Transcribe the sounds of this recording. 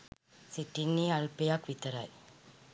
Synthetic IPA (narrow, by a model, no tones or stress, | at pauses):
siʈːinːiaɭpejaːkʋit̪ːɐɾa̰ːj